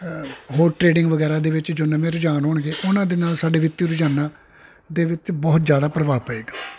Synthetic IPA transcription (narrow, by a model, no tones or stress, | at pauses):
ɦoːɾʈɾeːɖɪŋɡʋəɡɛːɾaːd̪eːʋɪt͡ʃd͡ʒoːnɛ̃ːmɛ̃ːɾʊd͡ʒaːnɦoːɳɡeːʔʊnãːd̪eːnaːlsaːɖeːʋɪt̪ːiɾʊd͡ʒaːnãː | d̪eːʋɪt͡ʃbɔːt̪d͡ʒjaːd̪aːpɾəʋaːpəeːɡaː